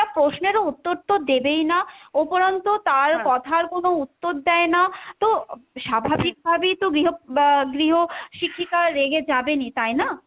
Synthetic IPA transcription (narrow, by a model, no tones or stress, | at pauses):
apɾoʃneɾout̪ːoɾt̪od̪ebejnaopoɾant̪ot̪aɾkɔt̪ʰaɾkonout̪ːod̪d̪ɛenat̪oʃabʱabik̚bʱabejt̪oɡɾiɦoɡɾiɦoʃikʰːikaːeɡed͡ʑabenit̪ajna